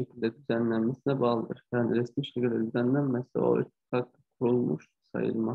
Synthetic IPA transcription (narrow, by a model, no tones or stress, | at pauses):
ecʰilʲd̪ɛd̪yzænlʲænmæsinɛbɑɣlˠɯd̪ɯɾjæniɾɛsmiʃecilʲd̪ɛ̰d̪yzænlænmɛso̰y̰i̥k̪ʰɑk̚t̪ɯkʰuɾulˠmṵʃ | sɑ̰jɯ̰lˠmɑ